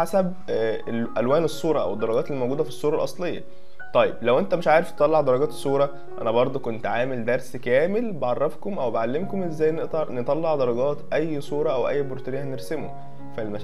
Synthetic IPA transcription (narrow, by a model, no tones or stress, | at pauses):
ħasæb | elʔælwæːnesˤːuːɾˤɑʔæ̰wed̪ːɑɾˤɑɡɑːt̪elimowɡuːd̪æfisˤːuːɾˤɑlʔɑsˤlejːɑ̰ | t̪ˤɑjːeblæwʔent̪æmeʃʕaːɾeft̪et̪ˤɑlːɑʕd̪ɑɾˤɑɡɑːt̪e̥sˤːuːɾˤɑ | ʔænæbɑɾˤd̪ˤokont̪ʕaːmeld̪æɾˤskæːmelbeʕɑrˤːɑfkomʔæwbeʕalːemkomʔezːæːjːneʔt̪ɑɾnet̪ˤɑlːeʕd̪ɑɾˤɑɡɑːt̪ʔæjːsˤuːɾˤɑʔæwʔæ̰jːboɾt̪eɾejːææneɾsemo̰ | fælmæ